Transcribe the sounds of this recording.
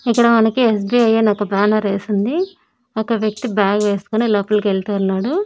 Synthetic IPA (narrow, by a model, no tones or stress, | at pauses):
ikːɐɽɐmɐnɐkies̬biɐjeːnɐkːɐbaːnɐɾʋeːsind̪i | ɐkːɐʋjɐk̚t̪ibaːɡʋe̞ːst̪u̥koːniloːpɐlkelt̪aːunːaːɽu